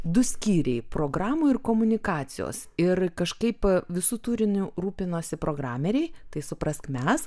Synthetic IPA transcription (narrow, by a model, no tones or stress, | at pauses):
d̪ʊsʲkʲiːɾʲɛɪpɾoːɡɾɑːmuːɪrkoːmʊnʲɪkɑːsʲɪjo̰ːsɪrkɐʃkɐɪpʋʲɪsuːt̪uːɾʲɪnʲuɾuːpʲɪnoːsʲɪpɾoːɡɾɑːmʲɛɾʲɛɪt̪ɐɪsʊpɾɐskmʲɛs